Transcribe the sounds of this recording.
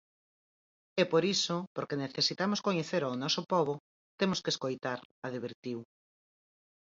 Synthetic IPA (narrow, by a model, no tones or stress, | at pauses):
epoɾisopoɾkeneθesit̪amoskoɲeθeɾawnɔsopɔβo | t̪emoskeskojt̪aɾaðiβeɾt̪iw